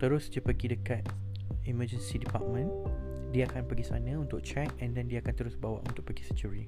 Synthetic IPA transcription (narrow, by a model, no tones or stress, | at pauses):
t̪əɾʊsd͡ʒəpəɡidəkat̪̚ | iməd͡ʒənsidipa̰ʔ̚mə̃n | diəakanpəɡisanə̃unt̪ʊk̚t͡ʃɛk̚ɛ̃ndɛndiaːkant̪əɾʊsbawa̰ʔunt̪ʊʔ̚pəɡisət͡ʃuɾi